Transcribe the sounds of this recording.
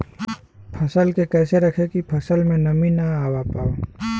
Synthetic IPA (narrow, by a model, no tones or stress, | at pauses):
pʰɐsəlkekɛːseɾɐkʰekipʰɐsəlmẽnɐminaaːwapaːoː